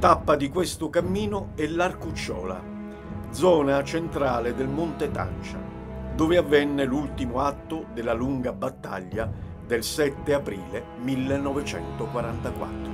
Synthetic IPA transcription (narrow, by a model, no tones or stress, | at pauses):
t̪apːad̪ikwest̪ʊkamːiːnʊɛlarkut͡ʃːɔ̰ːla̰ | d̪zɔːnat͡ʃent̪ɾaːled̪ɪlmont̪et̪a̰nt͡ʃa̰ | d̪oːvɪavːɛnːelult̪imʊat̪ːʊd̪ɪlːaluŋɡabat̪ːa̰ʎːa | d̪elsɛt̪ːeapɾiːle | milːenːɔvɪt͡ʃɛ̰nt̪okwaɾant̪akwa̰t̪ːɾʊ